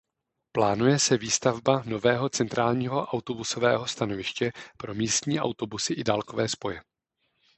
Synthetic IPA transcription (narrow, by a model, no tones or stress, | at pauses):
plaːnujɛsɛviːst̪avbano̞vɛːɦo̞t͡sɛnt̪ɾaːlɲiːɦo̞ʔawt̪o̞busovɛ̰ːɦo̞st̪ano̞vɪʃcɛpɾo̞miːst̪ɲiːʔa̰wt̪o̞busɪʔɪdaːlko̞vɛːspo̞jɛ